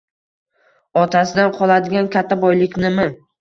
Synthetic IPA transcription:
ɒt̪ʰasɪd̪anqʰɒlˠad̪ɪɡʲankʲat̪ʰːabɒjlɪkʲnɪmɪ

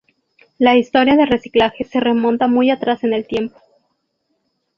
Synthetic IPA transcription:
laist̪o̞ɾjaðere̞si̥klaxe̞se̞re̞mo̞nt̪amujat̪ɾase̞ne̞lt̪je̞mpo̞̥

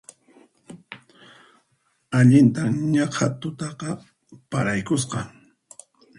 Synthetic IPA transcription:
aʎɪnt̪aɲɑqʰat̪ʊt̪ɑqɑ | paɾajkʊs̬qɑ

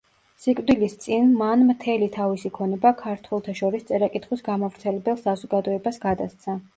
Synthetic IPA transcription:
sikʼvd̪ilist̪sʼinmanmt̪ʰɛlit̪ʰavisikʰɔnɛbakʰaɾt̪ʰwɛlˠt̪ʰaʃɔɾist̪sʼɛɾakʼit̪ʰχwisɡamɔvɾt̪sʰɛlɛbɛlˠsazɔɡad̪ɔɛbasɡad̪ast̪sʰa

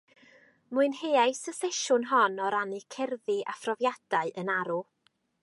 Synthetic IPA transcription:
muɨnheːajsəfɛʃʊnɦɔnɔɾanɨkʰɛrðɨʔa̰frɔvjad̥aɨʔənaɾu

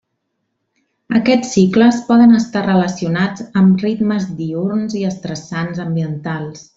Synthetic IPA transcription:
əkɛt͡sːikləspɔðənəst̪arələsiunad͡zəmrit̪məzd̪iuɾnziəst̪ɾəsanzəmbiənt̪alˠs

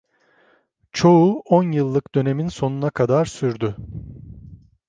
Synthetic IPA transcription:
t͡ʃʰo̞uɔnjɯlˠːɯkd̪ø̞ne̞minso̞nunakʰad̪aɾsyɾd̪y

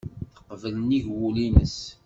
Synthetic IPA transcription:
θəqːvələniʝwulinəs

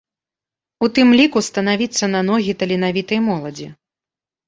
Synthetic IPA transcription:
ut̪ɨmlʲikust̪ɐnavʲit̪sːɐnɐnɔɣʲit̪ɐlʲinavʲit̪ɐjmɔlˠɐd͡zʲḭ

